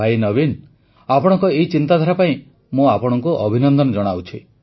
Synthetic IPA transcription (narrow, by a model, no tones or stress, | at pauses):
ajnɔbin | apɔɽ̃ɔ̃ŋkɔeɦit͡ʃint̪ad̪ʱaɾapaĩ | mũapɔɽ̃ɔŋkuʔɔbʱinɔnd̪ɔnɔd͡ʒɔɽ̃awt͡ʃʰi